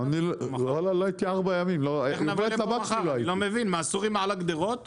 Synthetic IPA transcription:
anilʁalaloajit̪iaʁbajamimloajovlelabakʃulajlomevinmaːsuʁimʕalaɡd̪eʁot̪

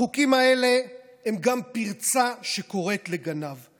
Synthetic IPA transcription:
ukimaele̞ | hemɡampiʁt͡saʃe̞ko̞ʁe̞t̪le̞ɡanav

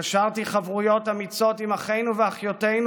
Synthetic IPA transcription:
aʃaʁt̪iχavʁujo̞tamit͡so̞timaχejnuveaχjote̞jn

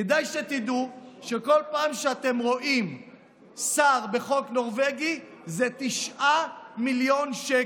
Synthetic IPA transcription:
ed̪ajʃet̪id̪uʃeko̞lpaːmʃeat̪e̞mʁo̞ʔim | saʁbe̞χo̞kno̞ʁveɡi | zet̪iʃʔamiljo̞nʃe

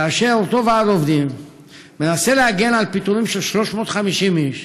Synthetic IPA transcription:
kaːʃe̞lt̪o̞veazo̞vd̪im | me̞naselehaɡe̞nalpit̪uʁimʃelʃlo̞ʃmo̞t̪χamiʃimiʃ

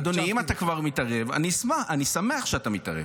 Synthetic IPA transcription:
d̪oniimat̪akvaʁmitaʁeva̰nismaχanisame̞aχʃeatamita̰ʁḛ

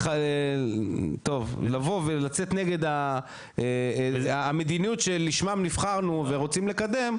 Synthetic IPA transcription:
a | t̪o̞vlavo̞velat͡set̪ne̞ɡe̞d̪a | eaːme̞d̪inijutʃeliʃmamnifχaʁnuve̞ʁo̞t͡simle̞kad̪e̞m

